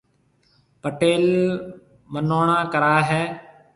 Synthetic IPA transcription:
pəʈeːl | mənoːɳ̃ãːkəɾaːɦɛː

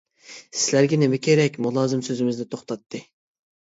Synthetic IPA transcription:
sɪz̥læɾɡʲɛnemɛkʲeɾɛkʲmulˠɑːzɨmsøzɪmɪznɪt̪ʰoχt̪ʰɑt̪ʰːɨ

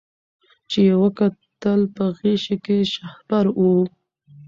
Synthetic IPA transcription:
t͡ʃejewəkat̪əlpəɣeʃekeʃahbaɾu

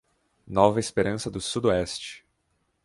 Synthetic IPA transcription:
nɔvɐespeɾɐ̃sɐd̪ʊsud̪oɛst͡ʃɪ̥

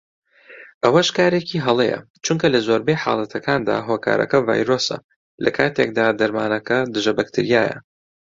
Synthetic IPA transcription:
ʔɐwɐʃkaːɾeciːɦɐlˠejɐ̰ | t͡ʃuŋkɐlɐzoːɾbejħa̰ːlˠɐt̪ʰɐkʰaːnd̪a̰ːɦoːkʰa̰ːɾɐ̰kɐva̰ːjɾoːsɐ̰ | lɐkʰaːt̪ʰek̚d̪aːd̪ɐɾmaːnɐkɐd̪ɨʒɐbɐkt̪ʰɨɾijaːjɐ̰

